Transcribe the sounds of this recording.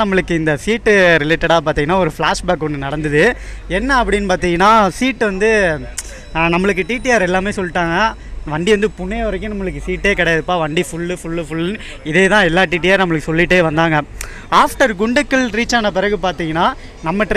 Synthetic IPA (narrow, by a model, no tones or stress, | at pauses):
nɐmːɐɭɯkːɯɪnd̪ɐsiːʈːɯɾɪleːʈːɐɽaːp̬aːɾt̪ĩːŋɡɐnaːɔɾɯfɭaːʂbaːkɔɳːɯnɐɽɐnd̪ɯðɯɛnːɐɐp̬ːɐɽɪnːɯpaːɾt̪iːŋɡɐnːaːsiːʈːʋɐnd̪ɯ | nɐmːɐɭɯk̬ːɯʈiːʈːɪjaːɾɛlːaːmeːsɔlːɪʈːaːŋɡɐ | ʋɐɳɖiʋɐnd̪ɯpʊɳːeːʋɐɾɐkːʊ̃nɐmːɐɭɯk̬ːɯsiːʈːeːkɐɽɐjaðɯpːaːʋɐɳɖifʊɭːɯfʊɭːɯfʊɭ | ɪðeːt̪ãːɛlːaːʈiːʈ̬ːɪjaːɾnɐmːɐɭɯkːɯ̥sɔlːɪʈːeːʋɐnd̪aːŋɡɐ | aːfʈɐɾɡʊɳɖɯkːɐlɾiːt͡ʃːaːnɐp̬ɪɾɐɣɯpaːɾt̪iːŋɡɐnːaː | nɐmːɐʈː